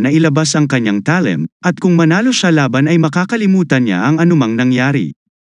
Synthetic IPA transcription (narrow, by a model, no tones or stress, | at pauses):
nɐʔɪlɐbasɐŋkɐɲːaŋt̪alɛ̰mʔɐt̪̚kʊŋmɐnaːlo̞ʃalaːbɐnɐjmɐkaːkɐlimuːt̪ɐnɲa̰ʔɐŋɐnʊmɐŋnɐŋjaːɾḭ